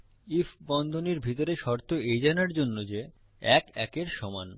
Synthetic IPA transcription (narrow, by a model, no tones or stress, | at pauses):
ifʰbɔnd̪ʱoniɾbʱit̪oɾeʃɔɾt̪ʰoejd͡ʑanaɾd͡ʑonːod͡ʑe | ɛkɛkeɾʃɔman